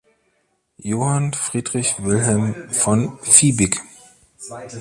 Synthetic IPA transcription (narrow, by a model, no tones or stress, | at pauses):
joːhanfʁ̥iːdʁɪçvɪlɦɛlmfɔnfiːbɪk